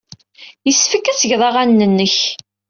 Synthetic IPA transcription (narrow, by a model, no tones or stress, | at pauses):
jəsːfəkːæt͡sːəʝðˤɑʁænːənːəç